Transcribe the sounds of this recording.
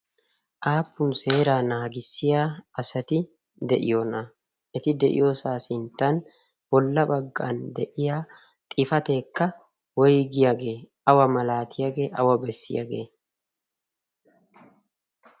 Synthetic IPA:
ʔaːpːʊnse̞ːɾaːnaːɡɪsːɪjaːɐsɐt̪ɪ | d̪ɛʔɪ̰jonɐ | ʔɪt̪ɪd̪ɛʔɪ̰josaːsɪnt̪ɐn | wɔlːɐbɐɡːa̰ːnd̪ɛʔɪjaː | t̪ʼɪfɐt̪eːkːɐ | wɔjɡɪjɐɡeː | ɐwɐmɐlaːt̪ʰɪjɐɡeːʔɐ̰wɐbɛsːɪ̰jɐ̰ɡḛː

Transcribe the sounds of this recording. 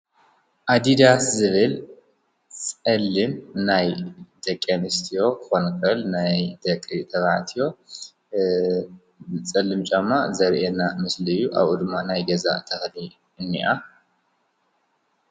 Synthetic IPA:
ʔad̪id̪aszɨβɨl | t͡sʼɐlːɨmnajd̪̥ɐkʼːɐnɨst̪ʰijo̞kʰɨxo̞nkʰɐlnajd̪ɐkʼːit̪ʰɐβaʕt̪ʰijo̞ | t͡sʼɐlːɨmt͡ʃʼɐmːazɐɾʔenamɨslɨjuʔa̰βud̪ɨmːanajɡɐza̰t̪ʰɐxni | ɨnːiʔa

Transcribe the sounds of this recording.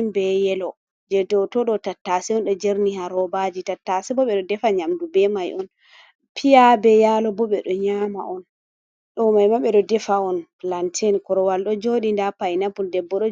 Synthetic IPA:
mbɛjɛlɔ | d͡ʒɛdɔtɔɗɔtatːasɛɔnɗɔd͡ʒeɾnihaɾɔbad͡ʒitatːasɛbɔɓɛɗɔdɛfaɲamdubɛmajʔɔn | pʰijabɛjalɔbɔɓɛɗɔɲama̰ʔɔn | ɗɔmajmaɓɛɗɔdɛfaɔnklantʰɛnkɔɾɔwalɗɔd͡ʒoɗindapajnabuldɛbːɔɗɔ

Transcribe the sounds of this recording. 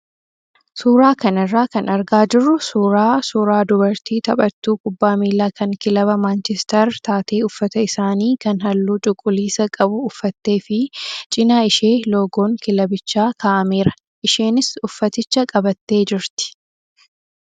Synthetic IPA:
suːɾaːkɐnɪrːaːkɐnɐɾɡaːd͡ʒɪrːʊsuːɾaːsuːɾaːd̪ʊbɐɾt̪iːt̪ɐpʼɐt̪ːuːkʊbːaːmiːlːaːkɐŋkɪlɐβɐmaːnt͡ʃɛst̪ɛɾt̪aːt̪e̞ːʊfːɐt̪ɐɪsaːniːkɐnɦɐlːuːt͡ʃʼʊkʼːʊliːsɐkʼɐbʊːfːɐt̪ːe̞ːfɪt͡ʃʼɪnaːɪʃeːloːɡo̞ːŋkɪlɐbɪt͡ʃːaːkʰaːʔɐmeːɾɐ̥ | ʔɪʃeːnɪsʊfːɐt̪ɪt͡ʃːɐkʼɐbɐt̪ːe̞ːd͡ʒɪɾt̪ɪ̥

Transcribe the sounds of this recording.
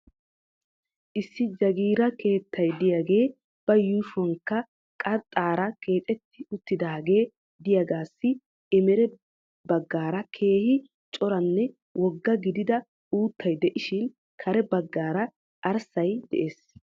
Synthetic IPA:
ʔɪsːɪd͡ʒɐɡiːɾɐkʰe̞ːt̪ʰːɐjd̪ɪjaːɡe̞ː | b̥ɐjuːʃɔŋkːɐ | kʼɐɾt̪ʼːaːɾɐkʰe̞ːt̪ʼɛt̪ːɪʊt̪ːɪd̪aːɡe̞ː | d̪ɪjaɡaːsːɪ | ɛmɛɾɛ | bɐɡːaːɾɐkʰe̞ːhɪ | t͡ʃʼɔɾɐnːɛ | wʔɔɡːɐɡɪd̪ɪd̪ɐ | uːt̪ʰːɐjd̪ɛʔɪʃɪn | kʰɐɾɛbɐɡːaːɾɐ | ʔɐɾsɐjd̪̥ɛ̰ʔe̞ːs

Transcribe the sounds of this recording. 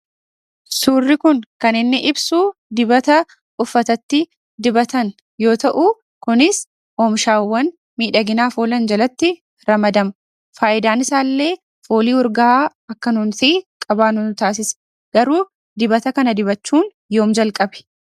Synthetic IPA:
suːrːɪkʊŋkɐnɪnːɪʔɪbsuːd̪ɪbɐt̪ɐ | ʊfːɐt̪ɐt̪ːɪ | d̪ɪbɐt̪ɐn | jo̞ːt̪ɐʔu | kʊnɪs | ʔoːmʃaːwːɐn | miːᶑɐɡɪnaːfoːlɐnd͡ʒɐlɐt̪ːɪ | ɾɐmɐd̪ɐmɐ | faːʔɪd̪aːnɪsaːlːe̞ː | foːliːɔɾɡaa | ɐkːɐnʊnsiːkʼɐbaːnʊnt̪aːs̬ɪs | ɡ̥ɐɾuː | d̪ɪbɐt̪ɐkɐnɐd̪ɪbɐt͡ʃːuːn | jo̞ːmd͡ʒɐlkʼɐbɛ̥

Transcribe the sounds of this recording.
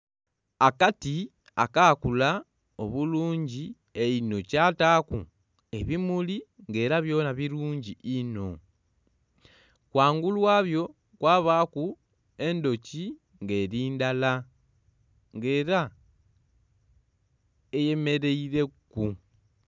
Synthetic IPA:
akati | a̰kakula | o̞̰βuluːɲɟi | eino̞caːtakṵ | e̞βimuliŋɡe̞ːɾaβjo̞ːnaβiɾuːɲɟiʔino̞ | kwaːŋɡulwaːβjo̞ | kwaːβaku | e̞ndo̞ci | ŋɡe̞ɾiːndala | ŋɡe̞ːɾa | eje̞me̞ɾe̞iɾe̞ku

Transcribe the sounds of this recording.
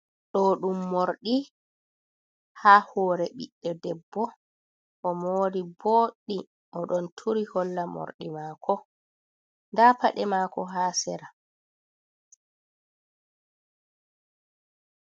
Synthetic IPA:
ɗɔɗumːoɾɗi | hahɔːɾɛɓḭɗːɛdɛbːɔ | ʔɔmoːdiboːɗːi | ʔɔɗɔntʰuɾihɔlːamo̰ɾɗimaːkʰɔ | ndapa̰ɗɛmaːkɔɦaːsɛɾa

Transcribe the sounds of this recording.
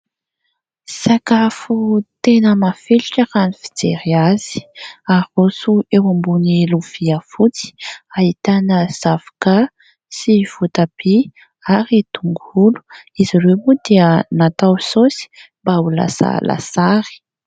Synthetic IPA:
sakafut̪enəmafeliʈ͡ʂəɾanifi̥d͡zeɾiaz̥i̥aosuewambuneluv̥iafut͡si̥ait̪anəz̥avḁka | siv̥ut̪ab̥i | aɾit̪uŋɡulu̥iziɾemud̪iənat̪awsosi̥mbaula̰sa̰lʔa̰saɾi̥

